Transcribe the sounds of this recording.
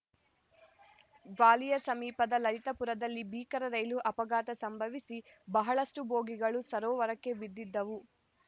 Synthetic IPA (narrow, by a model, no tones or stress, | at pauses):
ʋaːlijɐsɐmiːpɐd̪ɐlɐɾit̪ɐpuɾɐd̪ɐlːibiːkɐɾɐɾɐjluʔɐpɐɡaːt̪ɐsɐmbʱɐʋisi | bɐɦɐɭɐsʈuboːɡiɡɐɭusɐɾoːʋɐɾɐkːe̞ʋid̪ːid̪ːɐʋu